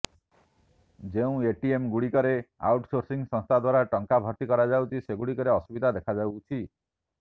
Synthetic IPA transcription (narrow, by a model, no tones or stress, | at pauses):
d͡ʒeũeʈiemɡuɽikɔɾea̰wʈsoɾsiŋsɔ̃ŋst̪ʰad̪waɾaʈɔŋkabʱɔɾt̪ikɔɾad͡ʒawt͡ʃʰiseɡuɽikɔɾeɔsubid̪ʱad̪ekʰad͡ʒawt͡ʃʰi